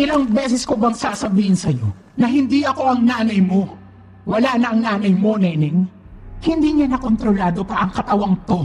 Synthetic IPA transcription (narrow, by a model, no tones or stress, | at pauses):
ʔɪlaŋbɛsɛskobɐŋsaʔsɐbiːhɪnsɐjo̞̰ | nɐɦɪnd̪iʔɐko̞ʔɐŋnaːnɐjmo̞ | wɐlaʔnɐʔɐŋnaːnɐjmo̞nɛːnɪŋhɪnd̪iɲanɐko̞nt̪ɾolaːd̪o̞pɐʔɐŋkɐt̪ɐwaŋt̪o̞